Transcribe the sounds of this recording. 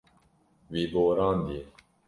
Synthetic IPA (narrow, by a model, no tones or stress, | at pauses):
wiːboːɾɑːnd̪i